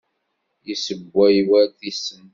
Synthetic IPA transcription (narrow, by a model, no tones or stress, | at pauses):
jisəɡʷːæjwæθisəm